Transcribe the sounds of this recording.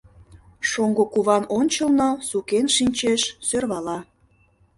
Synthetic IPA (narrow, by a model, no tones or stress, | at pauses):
ʃoŋɡokuβɑnonʲt͡ɕəlnosukenʃinʲt͡ɕeʃsørβɑlɑ